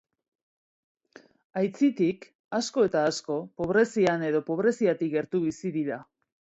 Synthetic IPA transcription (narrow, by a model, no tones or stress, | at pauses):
ajt͡sit̪ik | asko̞e̞t̪aːsko̞po̞βɾe̞siane̞ðo̞po̞β̞ɾe̞siat̪ikɡe̞ɾt̪uβisiðiɾa